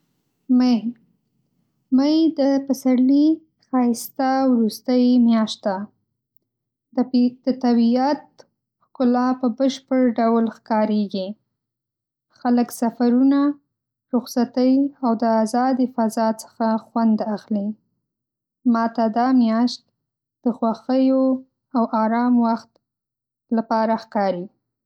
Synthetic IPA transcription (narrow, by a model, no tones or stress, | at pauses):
maj | majd̪əpasaɽli | xɑɪst̪awɾust̪əjmjɑʃt̪̚d̪a | d̪əd̪̥ət̪abijat̪̚ | kʊlapəbəʃpəɽɖawlxkɑɾeɡi | xaləksafaɾuna | ɾʊxsat̪əjawd̪əazɑd̪ifazɑt͡sə̥xaxwand̪axli | mɑt̪ad̪ɑmjɑʃt̪̚ | d̪̥əxwaxəjo | awʔɑɾɑmwaxt̪ | lapɑɾaxkɑɾi